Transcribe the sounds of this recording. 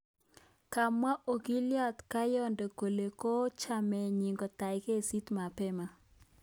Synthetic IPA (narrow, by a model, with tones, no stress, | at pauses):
ka˨mwa˦ʔo˨ɡi˦lja˦t̪ka˦jɔ˦nde˨ko˨le˨ko˦t͡ʃa˦˨mɛ˨ɲi˨ŋɡɔ˨t̪a˨jke˦˨si˦t̪ma˨pɛ˦ma˦